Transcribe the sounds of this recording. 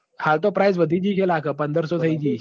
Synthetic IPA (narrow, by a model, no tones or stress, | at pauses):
halt̪opɾajsʋəd̪ʱiːd͡ʑiːkʰelakʰəpənd̪əɾsɔt̪ʰəid͡ʑiː